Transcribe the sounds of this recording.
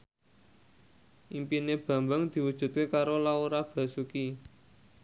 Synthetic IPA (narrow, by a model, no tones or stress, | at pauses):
ʔimpineb̥ä̤mbaŋd̪̥i̤wud̥ʒ̥ṳt̪̚kekaɾolauɾab̥a̤suki